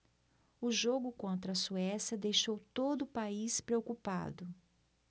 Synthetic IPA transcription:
ʊʒoɡʊkõnt̪ɾɐːsuɛsjɐd̪ejʃowt̪od̪ʊːpaispɾeokupa̰d̪ʊ

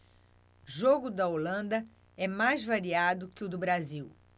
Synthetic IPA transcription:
ʒoɡʊd̪ɐolɐ̃nd̪ɐ | ɛmajzvaɾiad̪ʊkɪʊd̪ʊbɾaziw

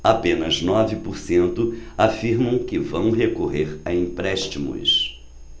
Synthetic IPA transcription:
apẽnɐznɔvɪpoɾsẽnt̪ʊafiɾmɐ̃w̃kɪvɐ̃w̃ɦekoɦeɾaĩpɾɛʃt͡ʃimʊ̰s

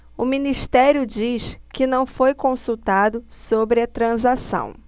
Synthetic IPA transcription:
ʊminiʃt̪ɛɾjʊd͡ʒiʃkɪnɐ̃w̃fojkõsut̪ad̪ʊsobɾɪɐt̪ɾɐ̃zasɐ̰̃w̃

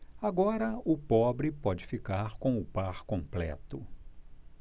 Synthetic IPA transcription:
aɡɔɾɐʊpɔbɾɪpɔd͡ʒɪfikaɾkõw̃ʊpaɾkõplɛ̰t̪ʊ

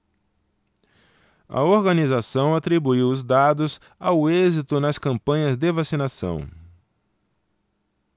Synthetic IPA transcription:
ɐ̰oɾɡɐnizasɐ̃w̃at̪ɾibuiwʊzd̪ad̪ʊz | awʊezit̪ʊnɐskɐ̃mpɐ̃ɲɐzd̪evasinasɐ̰̃w̃

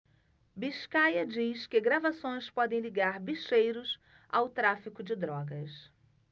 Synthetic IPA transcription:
biʃkajɐd͡ʒiskɪɡɾavasõj̃spɔd̪ẽj̃liɡaɾbiʃejɾʊs | a̰wt̪ɾafikʊd͡ʒɪd̪ɾɔɡɐs

